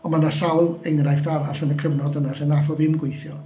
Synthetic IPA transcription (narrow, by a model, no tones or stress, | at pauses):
ɔnmanasawlˠejnrajfdaɾasənəkʰəvnɔdənasɛnafɔvɪmɡwejθjɔ